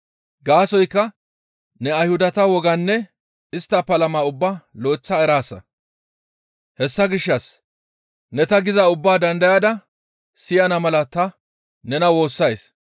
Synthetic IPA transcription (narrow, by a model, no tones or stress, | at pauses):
ɡaːsɔjkːɐ | nɛɐjhʊd̪ɐt̪ɐwɔɡɐnːɛ | ɪst̪ːɐpɐlɐmaːʊbːaːloːt͡sːɐɛɾaːsːɐ̰ | hɛsːɐɡɪʃːɐs | nɛt̪ɐɡɪzɐʊbːaːd̪ɐnd̪ɐjaːd̪ɐ | sɪjɐnɐmɐlɐt̪ɐ | nɛnɐwo̞ːsːɐjs